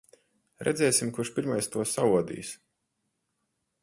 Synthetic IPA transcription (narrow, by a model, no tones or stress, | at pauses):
ɾʔɛ̰d̪zʲɛːsʲimkuɾʃpiɾmajst̪uɔsauɔd̪ḭːs